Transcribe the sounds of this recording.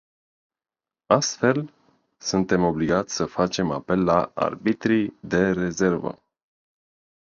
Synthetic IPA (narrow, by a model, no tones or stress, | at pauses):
ast̪fe̞l | sunt̪e̞mo̞bliɡat̪sʲsəfat͡ʃe̞ma̰pe̞lːaa̰rbit̪ɾid̪e̞ɾe̞ze̞rvə̰